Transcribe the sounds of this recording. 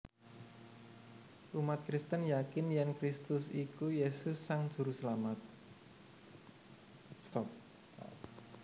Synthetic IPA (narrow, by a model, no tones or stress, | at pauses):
ʔumat̪̚kɾist̪ənjakɪnjɛnkɾist̪ʊsikujesʊsːaŋd̥ʒ̥ṳɾusəlamat̪̚ | st̪ɔp̚